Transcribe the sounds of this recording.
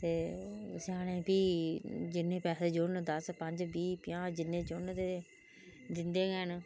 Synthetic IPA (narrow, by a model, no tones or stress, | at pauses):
t̪eːsaːɽẽːpiːd͡ʒɪnːẽːpɛːseːd͡ʒʊnd̪əspəɲd͡ʒbiːpɪjãːd͡ʒɪnːẽːd͡ʒʊnt̪eː | d̪ɪnd̪eːɡɛːn